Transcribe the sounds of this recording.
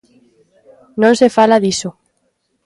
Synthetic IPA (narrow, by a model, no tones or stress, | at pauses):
nõnsefalaðiso